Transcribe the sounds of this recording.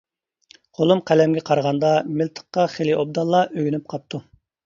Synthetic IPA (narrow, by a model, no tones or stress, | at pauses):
qʰolˠumqʰælɛmɡʲɛqʰɑɾʁɑnd̪ɑmɪlt̪ʰə̥χːɑχeliʔob̚d̪ɑlˠːɑʔøɡʲynyp̚qʰɑp̚t̪ʰu